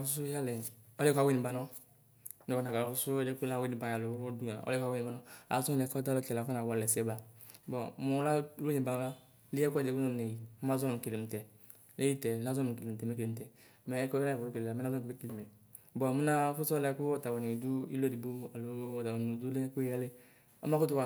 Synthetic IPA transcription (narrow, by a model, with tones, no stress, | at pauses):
fu˦s̬u˦ja˦lɛ˨ɔ˦lɛ˦kʷa˨we˦ni˨ba˨nɔ˦ | nɔ˨kɔ˨na˨ka˨a˨fu˦su˦ɛ˦de˦ku˦la˦we˦ni˨ba˧ja˨lo˨˦ɾɔ˦du˦a˨ɔ̰˦lɛ˦ka˧we˦ni˨ba˨nɔ˦a̰˨˦sɔ˦lɛ˧kɔ˦ta˦lo˦kɛ˨la˨kɔ˦na˨wɔ˧˨lɛ˨sɛ˦ba˨˦bɔ˨mɔ˨˦la˦o˦ni˨ba˨˦a˦ | li˦ɛ˦ku˦˨de˨˦ku˦nɔ˦˨ne˨ji˨˦a˦zɔ˦n˨ke˨le˨m̩˨tɛ˨ | le˦i˦tɛ˨na˨˦zɔ˦˨ke˨le˨tɛ˨me˦ke˨m̩˨tɛ˨ | mɛ˦kɔ˦la˦ɛ˨ɔ˨ɾu˦ke˨le˨a˨m˦na˦zɔ˦˨e˦ki˨le˨mɛ˨ | bɔ˨mi˦na˦fu˦sɔ˦lɛ˧˦ku˦ɔ˦ta˨wɔ˨ni˨du˦ḭ˦lo˦di˨bu˦a˨lo˨ɔ˨ta˨wo˨u˨du˦le˦ku˦ɛ˦le˦ | ɔ̰˦ma˦ku˦t̬u˦wa˨